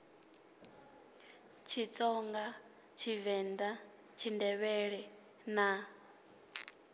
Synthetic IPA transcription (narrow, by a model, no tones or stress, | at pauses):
t͡ʃʰit͡sʼɔŋɡa | t͡ʃʰivɛnd̪a | t͡ʃʰindɛβɛɺɛ | na